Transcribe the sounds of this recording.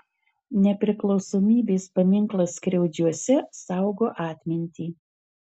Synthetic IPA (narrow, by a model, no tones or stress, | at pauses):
nʲɛpʲɾʲɪklˠɒʊsoːmʲiːbʲeːspɐmʲɪŋklˠɐskɾʲɛʊd͡ʒʲuɔsʲɛsɑˑʊɡoːʔɑːt̪ʲmʲɪnʲt̪ʲiː